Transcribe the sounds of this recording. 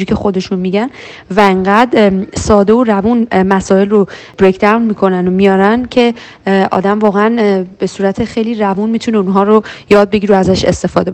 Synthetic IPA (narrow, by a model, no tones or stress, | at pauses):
ɾiːcʰe̞xo̞d̪e̞ʃunmiɟæn | væeŋɢæd̪sɒːd̪e̞orævunmæsɒːe̞lro̞b̥ɾekʰd̪æwnmiːkʰo̞nænomijɒːɾæncʰe̞ | ʔɒ̰ːd̪æmvɒːɣeænb̥e̞suːɾæt̪ʰe̞xe̞jlirævunmiːt̪ʰuneunɦɒːɾojɒːd̪̚be̞ɡiːɾoæzæʃe̞̰st̪e̞fɒ̰ːd̪e̞